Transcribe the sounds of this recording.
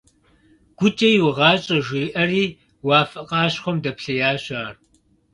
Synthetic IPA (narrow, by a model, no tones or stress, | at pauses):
ɡ̥ʷʊt͡ʃʼɐjwʊʁɑːt͡ʃʼɐʒʷiːʔɐriː | wɑːfɐqʼɑːɕχʷɔmdɐpɬɐjaːɕʼaːr